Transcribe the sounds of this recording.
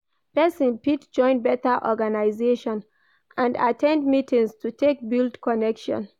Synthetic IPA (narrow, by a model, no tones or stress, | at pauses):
pɛsĩnpitd͡ʒɔ̃ɪ̃nbɛtəʔɔɡanaɪzeʃɔ̃n | ʔãndatʰɛ̃ndmitʰĩŋstʰutʰek̚bildkɔnɛkʃɔ̰̃n